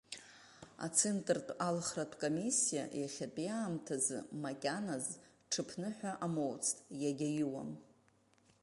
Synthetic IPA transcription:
a̰t͡sʰentʼrtʼalχratʷʰkʼomisːija̰jaχʲatʼjaːmtʰazɨ̰makʲʼanaz | ʈ͡ʂʰɨpʰnɨħʷᶣaʔamowt͡sʰtʼjaɡʲajiwa̰m

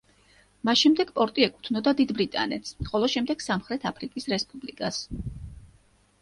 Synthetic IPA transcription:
masʃɛmd̪ɛɡpʼɔɾt̪ʼiɛkʼu̥t̪ʰnɔd̪ad̪id̪bɾit̪ʼa̰nɛt̪sχɔlˠɔʃɛmd̪ɛɡ̥samχɾɛt̪ʰapʰɾikʼisɾɛspʼublikʼas

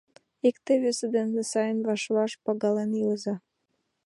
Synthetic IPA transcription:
ikt̪eβesed̪enːesɑjənβɑʃβɑʃpɑɣɑleniləzɑ

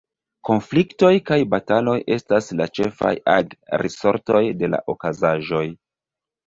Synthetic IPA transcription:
ko̞nflikto̞jkajbatalo̞jʔe̞staslat͡ʃe̞fa̰jaɡɾiso̞ɾto̞jde̞la̰ʔokazaʒo̞j

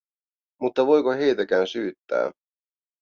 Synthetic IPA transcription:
mut̪ːɑʋo̞jkoɦe̞jt̪ækæːnsyːt̪ːæ̰ː

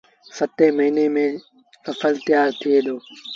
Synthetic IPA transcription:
sɐt̪emɐɦiːnemẽ | ɐfəlt̪ɪjaːɾt̪ʰied̪oː

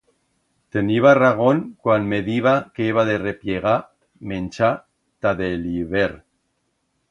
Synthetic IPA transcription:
t̪eniβaraɣ̞o̞nkwanmeðiβ̞akeeβ̞aðe̞re̞pjeɣ̞a | mẽnt͡ʃa | t̪aðeliβeɾ

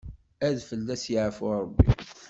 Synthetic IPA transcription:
æðfəlːæsjəʕəfʊɾˤəbːḭ

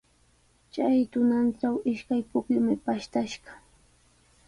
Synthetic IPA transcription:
t͡ʃajt̪ʊnanʈ͡ʂawɪʃkajpʊkʎʊmɪpaʃt̪aʃɢɑ̥

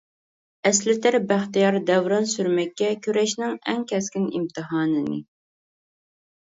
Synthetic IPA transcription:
ɛslɪt̪ʰɪɾbæχt̪ijɑɾd̪ɛvɾɑnsyɾmɛkʲːɛkʲʰøɾɛʃnɪŋɛ̰ŋkʲʰɛskʲɪnḭmt̪ʰɨɦɑːnɨnɨ̰

